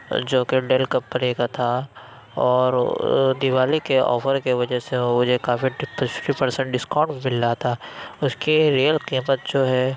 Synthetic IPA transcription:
d͡ʒoːkeɖeːlkɐpːɐɾeːkat̪ʰa | ɔːɾd̪ɪʋaːlikeɔ̰ːfəɾkeʋɐd͡ʒɛseʊd͡ʒʱekaːfipʈipɐɾsə̃ɳʈ̚ɖɪskãːɳʈmɪlːat̪ʰaʊskiɾijəlqiːmət̪̚d͡ʒoːɦɛ

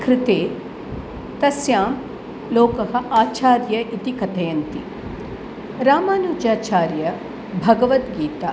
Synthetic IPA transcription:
kɾɪt̪eː | t̪ɐsjaːm | loːkɐɦɐ̆ʔaːt͡ʃaːɾjɐʔit̪ikɐt̪ɐjɐnt̪ḭ | ɾaːmaːnuːd͡ʒaːt͡ʃaːɾjɐ | bʱɐɡɐʋɐt̪ɡiːt̪aː

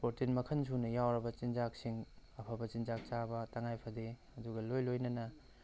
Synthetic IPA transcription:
poɾtinmɐkʰɐnsʰunɐjawɾɐbɐt͡ʃinzak̚siŋɐpʰɐbɐt͡ʃinzak̚t͡ʃabɐtɐŋajpʰɐde | ɐduɡɐlojlojnɐnɐ

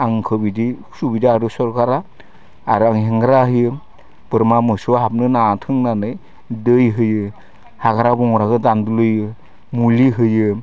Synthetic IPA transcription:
aŋkʰɯbidi | subidaːɾusɔɾɡaɾaː | ɾɯaŋɦeŋɡɾaɦɯjɯ | b̥ɯɾmamɯsuaɦap̚nɯnatʰɯŋnanɯj | dɯjɦɯjɯ | haɡaɾabɔŋɾaɡɯdandulɯjɯ | muliɦɯjɯ

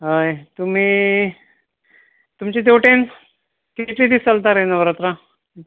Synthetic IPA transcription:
ɦəjt̪um̤iː | t̪umt͡ɕiːd̪̬ewʈen | kit̪lid̪isəlt̪aɾenəʋəɾat̪ɾa

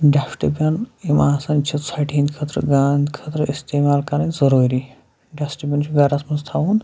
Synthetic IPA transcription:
ɖasʈibʲɐnimaːsɐnt͡ʃʰit̪saʈʰinʲkʰɐt̪ɾəɡaːnd̪kʰɐt̪ɾəist̪eːmaːlkɐɾãnzɐɾuːɾi | ɖasʈibʲɐnt͡ʃʰiɡɐɾɐsmɐnzt̪ʰaun

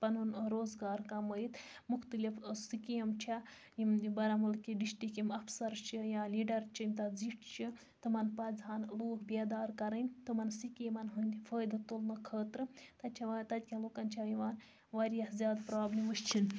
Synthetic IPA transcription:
pɐnunɾoːzɡaːɾkɐmɐjit̪ | muxt̪ɨlifsikiɐmt͡ʃʰa | jimbɐɾɐmɐlkiɖisʈikimɐfsɐɾt͡ʃʰijaliːɖɐɾt͡ʃʰimʲt̪ɐd͡ziʈʰt͡ʃʰi | t̪ɨmɐnpɐdʱaːnloːkʰbed̪aːɾkɐɾənʲt̪ɨmɐnsikimɐnɦunʲfəːjd̪t̪ulnɨkʰəːt̪ɾɨt̪ɐt͡ʃʰaʋt̪ɐt̪̚ʲkʲʰaloːkɐnt͡ʃʰaiʋaːn | ʋaːɾijahzʲjaːd̪pɾaːblʲiməʃt͡ʃʰin

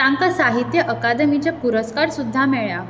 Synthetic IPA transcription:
t̪ãŋkasaɦit̪jəʔəkad̪əmit͡ɕjapuɾəskaɾsud̪ʱːamɛɭja

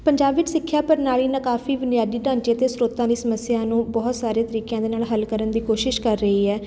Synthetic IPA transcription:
pəɲd͡ʒaːbɪd͡ʒsɪkʰːjaːpəɾnaːɭiːnãːkaːfʰiːʋənɪjaːd̪iːɖãːnt͡ʃiːət̪eːsɾoːt̪ãːd̪iːsəməsɪjaːnũːbɔːt̪saːɾeːt̪əɾiːkjãːd̪eːnaːlɦəlkəɾənd̪iːkoːʃɪʃkəɾːəɦiːɛː

